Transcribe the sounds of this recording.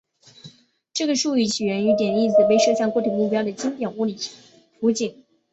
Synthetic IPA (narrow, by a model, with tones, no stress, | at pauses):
ʈ͡ʂɤ˥˩ɡə˩ʂu˥˧y˥˩t͡ɕʰi˨˩ɥɛ˧˥ny˧˥t̪jɛ˨˩ni˥˩t͡sɹ̩˨˩we˥ɪʂɤ˥˧ɕjɑ˥˧ŋkwɔ˥˩t̪ʰi˨˩ŋmu˥˩pjɑ˥ʊd̪ə˨t͡ɕi˥ŋt̪jɛ˨˩nu˥˩li˨˩ | fu˧˥t͡ɕi˨˩˦ŋ